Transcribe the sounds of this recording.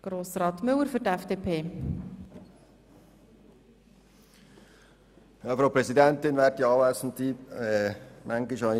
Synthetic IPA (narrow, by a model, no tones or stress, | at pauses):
ɡ̥ɾoːsɾɑːt̪mʏləɾfʏɾtɛfd̥eːpʰeː | jɑːfɾɑʊpɾɛsidɛnt̪ɪnʋɛːtiɑːæsn̩t̪iːɛmʔæŋɡɪʃɑɪ